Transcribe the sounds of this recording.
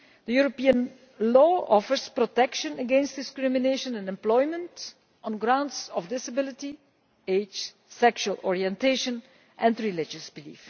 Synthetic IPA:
d̪̥əjuɹopiə̃n | lɔɔfəɹspɹɔtɛkʃə̃nəɡɛ̃nst̚d̥ɪskɹɪmɪneɪʃə̃nɛ̃nɛ̃mplɔɪmə̃nt | ɔ̃nɡɹãʊ̃ntsɔfdɪsəbɪlɪti | eɪd͡ʒ | sɛkʃuəlʔɔɹiɛ̃nteɪʃə̃n | ʔɛ̃ndɹɪlɪd͡ʒəsbɪlḭːf

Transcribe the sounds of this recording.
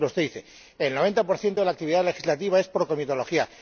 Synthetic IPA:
loust̪e̞ðiθe̞ | elno̞β̞e̞nt̪apo̞ɾθjent̪oelakt̪iβiðale̞xizlat̪iβae̞spoko̞mit̪o̞lo̞xia

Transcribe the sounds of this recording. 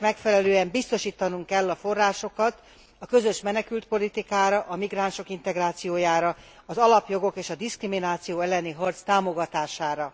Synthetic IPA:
mɛkfɛlɛløːɛmbist̪o̞ʃiːt̪ːɒnuŋkɛlːɒfo̞rːaːʃo̞kɒt̪ | ɒkø̞zø̞ʃmɛnɛkylt̪̚po̞lit̪ikaːɾɒʔɒmiɡraːnʃo̞kint̪ɛɡraːt̪sijoːjaːɾɒ | ɒzɒlɒpjo̞ɡo̞keːʃɒd̪iskriminaːt̪sijoːɛlːɛniɦɒrt̪st̪aːmo̞ɡɒt̪aːʃaːɾɒ

